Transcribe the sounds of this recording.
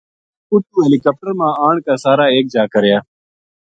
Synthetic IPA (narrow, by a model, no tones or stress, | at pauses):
ʊʈuːɦeːliːkɔːp̚ʈəɾmãːaːɳkaːsaːɾaːeːk̚d͡ʒaːkəɾjaː